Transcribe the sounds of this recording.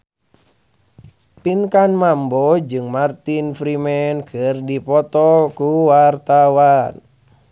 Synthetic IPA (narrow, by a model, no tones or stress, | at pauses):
piŋkanmambɔd͡ʒɨŋmart̪infɾimɛnkɨrdipɔt̪ɔkuwart̪awan